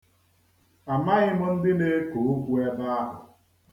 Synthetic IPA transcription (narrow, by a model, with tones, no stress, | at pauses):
a˨ma˦ɣɪ˦mʊ˦n̩˦dɪ˦ne˦ko˨o˦kʷu˦e˦ba˦a˦ɦʊ˨